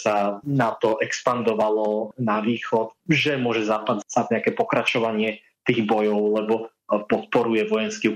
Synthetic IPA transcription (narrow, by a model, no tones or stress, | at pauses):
sanat̪ɔʔɛkspand̪ɔʋalɔnaʋiːxɔt̪ʒɛmʊɔʒɛzapad̪sad̪ɲɛakɛpɔkɾat͡ʃɔʋaɲɪɛ | t̪iːɣbɔjɔʊlɛbɔ | pɔt̪̚pɔɾujɛʋɔjɛnski